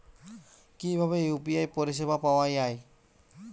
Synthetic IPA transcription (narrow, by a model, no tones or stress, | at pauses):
kibʱaβejupiajpoɹis̬ebapawajaj